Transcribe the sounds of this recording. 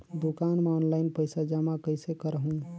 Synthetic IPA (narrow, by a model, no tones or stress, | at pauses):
d̪ukanmeɔnlajnpəjsad͡ʒəmakəɪsekəɾəɦũ